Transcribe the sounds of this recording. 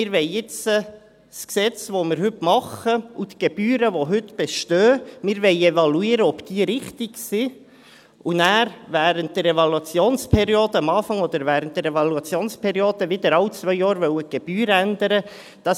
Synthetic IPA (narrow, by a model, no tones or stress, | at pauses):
mɪɾʋɛɪɪt͡sə | sksɛt͡svomɪːɾhʏtmɑχəut̪ɡ̥eb̥yːɾəʋoɦʏtb̥eʃtøːmɪːɾvɛɪɛvɑluiːɾəɔpd̥iːəɾɪχtɪksi | unæːɾvæːɾənt̚d̥əɾɛvɑluɑt͡sjoːnspʰɛɾioːdəɑmɑːfɑŋɔd̪əɾvæːɾənt̚dɛɾɛvɑluɑt͡sjoːnspʰɛɾjoːd̥̪əvɪd̪əɾɑlt͡sʋvœʏjɑːɾʋœwəɡ̥eb̥yːɾænd̪əɾə | d̪̥ɑ